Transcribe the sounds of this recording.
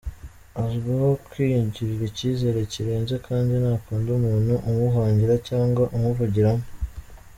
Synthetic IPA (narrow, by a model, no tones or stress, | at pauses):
azuɡahokwiːjuɲɟiɾiɾiciːze̞ɾeciɾe̞ːnzekʰaːndinaːkuːndumuːnuʔumuɦaːɲɟiɾacaːŋɡwaʔumuvuɟiɾamo